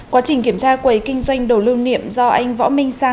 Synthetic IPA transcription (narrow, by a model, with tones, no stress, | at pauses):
kwaː˨˦t͡ɕï˨˩ŋ̟ki˧˩əmt͡ɕaː˧kwə˨˩˦jkï˧ŋ̟zwa˧jŋ̟ɗo˨˩lɨ˧wnḭ˧˨əmzɔ˧ʔa˧jŋ̟vɔ̰˧˥mï˧ŋ̟saː˧˩